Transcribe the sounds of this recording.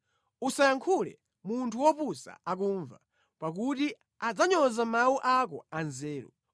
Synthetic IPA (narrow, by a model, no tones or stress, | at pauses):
usajaŋkʰulɛ̰ | muntʰuwɔpusa̰ak̬uɱva | pak̬uti | ad͡zaɲɔzamauʔakɔ̰anzɛːɾu